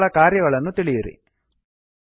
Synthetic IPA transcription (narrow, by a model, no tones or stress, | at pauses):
ɭɐkaːɾjɐɣɐɭenːut̪iɭijirḭ